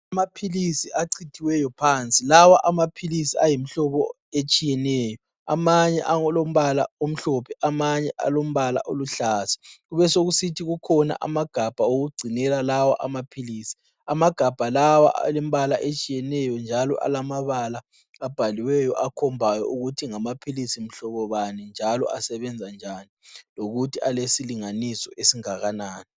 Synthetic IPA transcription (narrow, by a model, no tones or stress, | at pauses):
amapʰilisiʔaǀitʰiwɛjɔpʰant͡sʼilawaʔamapʰilisiajim̩ɬɔβɔ | et͡ʃʼijɛnɛːjɔ | a̰maɲɛʔaŋɔlom̩βala̰om̩ɬɔpʰɛʔamaɲɛʔa̰lom̩βala̰ʔo̰luɬaːsɛ̥ɣuβɛsoɣusitʰiɣukʰɔna̰ʔa̰maɡ̥ʱab̥ʱaoɣuɡ͡ǀʱinɛlalawaʔamapʰiliːsi̥ | amaɡ̥ʱab̥ʱalawa̰lem̩βalaʔet͡ʃʼijɛnɛjɔnd͡ʒʱalɔ̰ʔa̰lamaβala | ab̥ʱaliwɛjɔʔakʰɔmbʱajɔ̰ʔuɣutʰiŋamapʰilisim̩ɬɔβɔβanɛnd͡ʒʱalɔ̰asɛβɛnd͡zʱand͡ʒʱaniloɣutʰialesiliŋanisɔʔesiŋaɣanaːnɛ